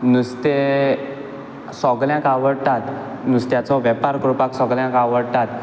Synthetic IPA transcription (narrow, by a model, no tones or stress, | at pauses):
nust̪e | sɔɡljãkaʋəɽt̪at̪nust̪jat͡sɔʋjɛpaɾkɾupaksɔɡljãkaʋəɽt̪at̪